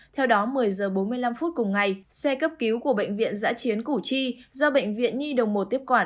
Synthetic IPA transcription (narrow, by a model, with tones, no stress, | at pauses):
t̪ʰɛ˧wɗɔ˨˦mɨ˨˩əjzəː˨˩ɓo˨˦nmɨ˧əjla˧mfu˦˥t̚kʊ˨˩ŋ͡mŋa˨˩jsɛ˧kə˦˥p̚ki˨˦wku˧˩əɓə̰˧˨jŋ̟vḭ˧˨ənza̰ː˧˥t͡ɕi˨˦ənku˧˩t͡ɕi˧zɔ˧ɓə̰˧˨jŋ̟vḭ˧˨ənɲi˧ɗə˨˩wŋ͡mmo˨˩t̪̚i˦˥əkwaː˧˩